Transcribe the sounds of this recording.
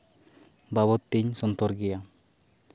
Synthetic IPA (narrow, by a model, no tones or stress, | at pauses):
baβɔt̪ːiɲsɔnt̪ɔɾɡɛja